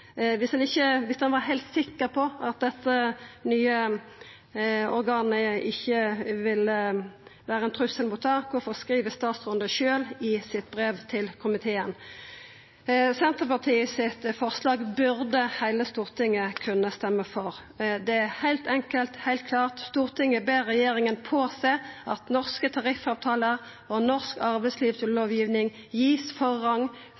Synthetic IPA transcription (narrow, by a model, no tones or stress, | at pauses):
ʋɪsd̪ɛnɪçːəʋɪsd̪ɛnʋɑːɾɦæɪlt̪sɪkːəʁpʰɔɑt̪̚d̪ɛt̪ːənyːə | ɔɾɡɑːnəɪçːəʋɪl | ʋæːɾəɛnt̪ʰɾʉsːəlmʊːt̪ʰːɑːkɔfɔʁskʁiːʋəst̪ɑːt̪sʁʊnd̪əʃøːlɪsɪt̪bʁeːʋt̪ʰɪlkʰʊmɪt̪ʰeːən | sɛnt̪əʁpɑʁt̪ʰiːsɪt̪fɔʁslɑːɡbʉʁd̪əhæɪləst̪uːʁt̪ʰɪŋːəkʰʉnːəst̪ɛmːəfɔʁ | d̪ɛæhæɪlt̪ɛŋkəlt̪hæɪlt̪kʰlɑːʁt̪st̪uːʁt̪ʰɪŋəbeːʁːɛjeːɾɪŋənpʰoːseːʔɑt̪nɔʁskət̪ʰɑʁɪfɑːʋt̪ʰɑːləʁ | ɔnɔʁskɑʁbæɪsliːʋt̪ʰɪlloːʋjiːʋnɪŋ | jiːsfɔʁːɑŋ